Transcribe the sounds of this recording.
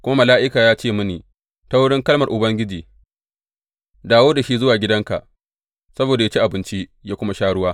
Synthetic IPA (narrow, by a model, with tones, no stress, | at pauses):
kʷʊ˦ma˦mɐ˨laː˦ʔɪ˦kaː˨jaː˦t͡ʃeː˦˨mʊ˦niː˨ | ta˦wʊ˦ɽɪ˦ŋkɐ˦lmɐ˨rʔʊ˨bɐ˦ŋɡʲɪ˦d͡ʒiː˨ | daː˨woː˦da˨ʃi˦zʊ˦waː˨ɡʲɪ˦dɐ˦ŋka̰˨ʔ | sɐ˦boː˨da˨ja˦t͡ʃi˦ʔa˨bɪ˦nt͡ʃi˦ʔjaː˦kʷʊ˦ma˦ʃaː˦ɽʊ˦waː˦